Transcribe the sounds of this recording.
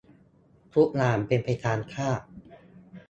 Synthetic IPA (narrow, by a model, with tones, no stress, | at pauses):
t̪ʰu˦˥k̚naː˧˩mpe˧npʰa˧jt̪ʰaː˧nkʰaː˥˩ʔ̚